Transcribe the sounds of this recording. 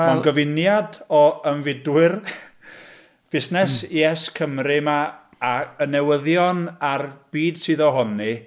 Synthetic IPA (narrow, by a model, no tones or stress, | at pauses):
ɔnɡɔvɪnjadɔənvɪdwɪr | b̥ɪsnɛsjɛskʰəmrɨmaː | ənɛwəðjɔnarb̥iːd̥sɨːðɔɦɔni